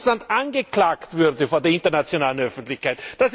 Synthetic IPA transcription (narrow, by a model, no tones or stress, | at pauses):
slandʔanɡəklaːktv̥ʏʁdəfoːɐdeːɐɪintɐnat͡sjonaːlənœfn̩tlɪçkʰaɪtd̥as